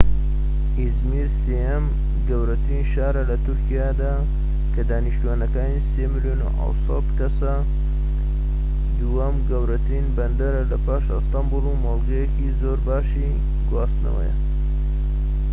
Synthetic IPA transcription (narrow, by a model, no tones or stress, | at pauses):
izmiːɾsejɐm | ɡɐwɾɐt̪ɾinʃaːɾɐlɐt̪ʊɾkijaːd̪aː | kʰɐd̪aːniʃt̪uaːnɐkaːniseːmɨljoːnṵʔɐ̰wsɑt̪kɐsɐ | d̪uwɐmɡɐwɾɐt̪ɾinbɐnd̪ɐɾɐlɐpaːʃɨ̰st̪ɑmbulumɐlˠɡɐjekizoːɾbaːʃi | ɡwaːst̪nɐ̰wɐ̰jɐ̰